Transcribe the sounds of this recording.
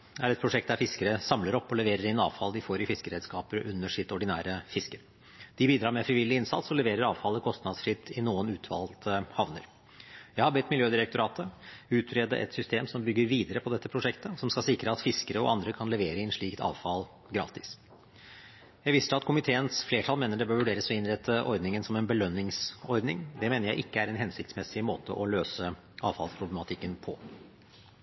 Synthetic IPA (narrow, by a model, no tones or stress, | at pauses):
æɾɛt̪̚pʰɾʊʂɛkt̪̚d̪æɾfɪskəɾəsɑmləɾɔpːɔlɛʋeːɾəɾɪənɑ̰ːʋfɑld̪ɪfoːɾɪfɪskəɾɛd̪skɑːpəɾʔʉnːəʂɪt̪ɔɖɪnæ̰ːɾəfɪskəɾ | d̪̥ɪbiːd̪ɾɑːɾmɛfɾɪʋɪlːɪɪnsɑ̰t̪sɔlɛʋeːɾəɾɑːʋfɑləkʰɔst̪nɑd̪sfɾɪt̪ʰːɪnuːənʉːt̪ʰʋɑ̰ld̪hɑʋnə̰ɾ | jæɪhɑɾbɛt̪ːmɪljøːd̪ɪɾək̚t̪ʊɾɑːt̪ʰəʉːt̪ɾɛd̪ə̰ʔɛ̰t̪sʏst̪eːmsɔmbʏɡːəɾʋiːd̪əɾəpʰɔd̪ɛt̪ːəpʰɾʊʂɛkt̪əsɔmskɑlsɪkɾəɑt̪fɪskəɾəɔ̰ʔɑ̰nd̪ɾəkʰɑnlɛʋeːɾəɪɛnʂɭiːkt̪ʰɑ̰ːʋfɑl | ɡɾɑ̰ːt̪ɪs | jæɪʋɪst̪əɑt̪kʊmɪt̪ʰeːənsfleːʈʰɑlmeːnəɖɛbøːɾʋʉɖeːɾəsɔɪnɾɛt̪ʰːəʔɔɾd̪nɪŋənsɔmɛnbəlœnːɪŋsɔɾd̪nɪ̰ŋd̪ɛmeːnəɾjæɪʔɪkːəæɾɛnɦɛnsɪkt̪smɛsɪmoːt̪ʰə̰ʔɔløːsə | ʔɑ̰ːʋfɑ̰lspʰɾʊblɛmɑt̪ʰɪkːənpʰɔ̰